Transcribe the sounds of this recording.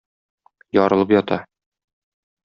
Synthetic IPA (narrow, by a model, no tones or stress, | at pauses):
jɒɾɤ̆lˠɤpjɒt̪ɑ